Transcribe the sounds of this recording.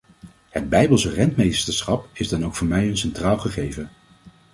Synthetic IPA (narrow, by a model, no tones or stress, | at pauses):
həd̚bɛjbəlˠsərɛntmejstəɹsχɑpɪzdɑnowkfʊːɹmɛjənsɛntraːlˠχəχejvə